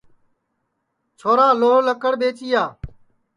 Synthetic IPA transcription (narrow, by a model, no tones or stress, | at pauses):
t͡ʃʰoːɾaːloːləkəɽɓeːt͡ʃiːjaː